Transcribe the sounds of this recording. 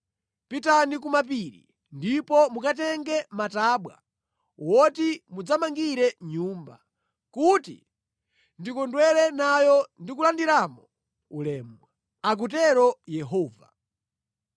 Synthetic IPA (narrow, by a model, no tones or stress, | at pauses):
pitanik̬umapiɾḭ | ndipɔmukatɛŋɡɛmataːɓwa̰ | wɔtimud͡zamaŋɡiɾɛɲuːmba̰ | kutḭ | ndikɔndwɛɾɛnajɔndik̬ulandiɾamɔ | ulɛːmwa | ak̬ut̬ɛɾɔjɛɦɔːva̰